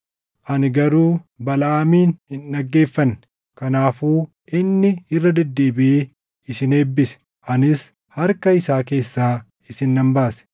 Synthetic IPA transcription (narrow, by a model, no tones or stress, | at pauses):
ʔɐnɡɐɾuːbɐlaːmiːnhɪnːɐɡːe̞ːfːɐnː | kɐnaːfuː | ʔɪnːɪɪrːɐd̪ɛd̪ːe̞ːbɪe | ɪsɪne̞ːbːɪsɛ̥ | ʔɐnɪs | hɐɾkɐɪsaːke̞ːsːaː | ɪsɪnːɐmbaːsɛ̥